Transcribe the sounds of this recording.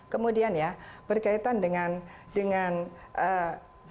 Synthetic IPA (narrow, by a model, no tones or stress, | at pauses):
kəmudianjab̥ərkait̪andəŋan | dəŋanʔə